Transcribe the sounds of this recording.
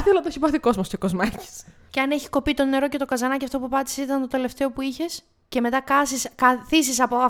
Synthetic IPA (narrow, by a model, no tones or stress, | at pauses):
θiolɐɐt̪eçipɐθiko̞zmost̪okozmɐci̥s | ceɐneçi̥ko̞pit̪o̞ne̞ɾo̞cet̪o̞kɐzɐnɐciɐft̪opupɐt̪i̥sit̪ɐnt̪o̞t̪e̞le̞ft̪e̞o̞puiçe̞s | ce̞me̞t̪ɐkɐsiskɐθisisɐpo